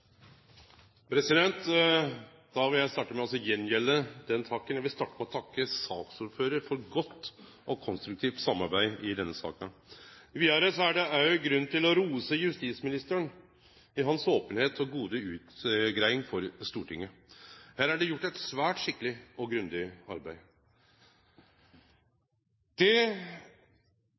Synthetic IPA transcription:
pʰɾɛsɪd̪ɛnt̪ | d̪̥ɑʋɪljæɪst̪ɑːʈːəmɛɑlsɔjɛnːjɛlːəd̪ɛnt̪ʰɑkːənjæʋɪst̪ɑːʈːəmɛɔt̪ʰɑkːəsɑːksʊɾføːɾəɾfɔɾɡɔt̪ː | ʔɔkʰɔnst̪ɾʉk̚t̪ʰiːft̪sɑmːɑɾbæɪɪd̪ɛnːəsɑ̰ːkənəʋiːɑɾəsɔæɖɛæʊɡɾʉnːt̪ɪlɔɾuːsəjʉst̪iːsmɪnɪst̪əɳ | ɪɦɑnsoːpənheːt̪ʰɔɡuːd̪əʉːt̪ɡɾæɪɪŋfɔɾst̪uːʈʰɪŋːəhæːɾæɖɛjʊʈːæɪt̪sʋæːʈʂɪkːəlɪɔɡɾʉnd̪ɪɑɾbæɪ | d̪̥ɛ

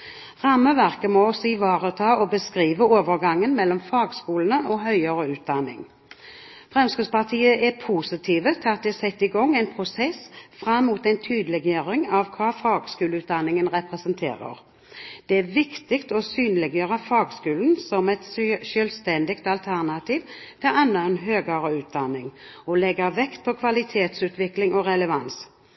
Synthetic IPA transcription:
ʁɑmːəʋæʁkəmɔɔsɔɪʋɑːʁət̪ʰɑːɔbəskʁiːʋəoːʋəʁɡɑŋːənmɛlːɔmfɑːɡskuːlənəʔɔɦœʏəʁəʉːt̪̚d̪ɑnːɪ̰ŋ | fʁɛmskʉspɑʁt̪ʰiːəʔɛpʰuːsɪt̪ʰiːʋət̪ʰɪɑt̪̚d̪ɛɛsɛt̪ːɪɡɔŋːæɪnpʰʁʊsɛsfʁɑmːuːt̪ɛɪnt̪ʰyːd̪əlɛɡjøːʁɪŋɑʋkʰɑːfɑːɡskʉːləʉːt̪̚d̪ɑnːɪŋənʁɛpʁɛsənt̪ʰḛːʁə̰ʁ | d̪̥ɛæʋɪkt̪ɪkt̪ɔsyːnəlɛɡjøːʁəfɑːɡskʉːln̩sɔmɛt̪ʃœlst̪ɛnd̪ɪkt̪ɑlt̪ʰæʁnɑt̪ʰiːʋt̪ʰɪlɑnːəɛnɦøːɡəɾəʉːt̪̚d̪ɑnːɪŋ | ɔlɛɡəʋɛkt̪̚pʰɔkʰʋɑlɪt̪ʰeːt̪sʉːt̪ʋɪklɪŋɔʁɛləʋɑns

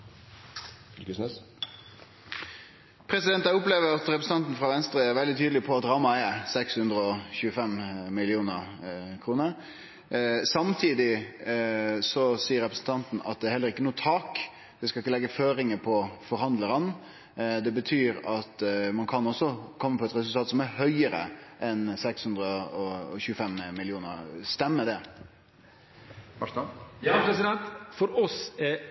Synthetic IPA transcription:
kəsnɛs | pʰɾɛsɪd̪ɛnt̪ɑɪʊpleːʋəɾɑt̪ɾɛpɾs̩t̪ɑnt̪n̩fɾɑʋɛnst̪ɾəæɾʋɛld̪ɪt̪ʰyːd̪lɪpʰɔɑt̪ɾɑːmɑɛsɛkshʉnd̪ɾəɔçʉːəfɛmmɪlɪuːnəʁkʰɾuːnəɾ | sɑmt̪ʰiːd̪ɪ | sɔsiːəɾɛpɾəsn̩t̪ʰɑnt̪n̩ɑ̰t̪̚d̪ɛæɾhɛlːəɾɪkːənuːt̪ʰɑːk | d̪ɛskɑlɪkːəlɛɡːəføːɾɪŋəpʰɔfɔɾhɑnd̪ləɾən | d̪ɛbət̪ʰyːɾɑt̪mɑnkʰɑnɔsːɔkʰɔmːəpɔɛt̪ɾɛsʉlt̪ɑːt̪sɔmæɾhœʏəɾə̰ʔɛnsɛkshʉnd̪ɾəɔɔ̰çʉːəfɛmmɪlɪuːnə̰ɾst̪ɛmːəd̪ɛ | pɾɛsɪd̪ɛnt̪fɔɾɔsɛ

